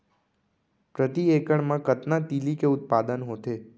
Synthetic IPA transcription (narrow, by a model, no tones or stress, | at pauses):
pɾət̪iekəɳmãkət̪nat̪ilikeʊt̪̚pad̪ənɦõt̪ʰe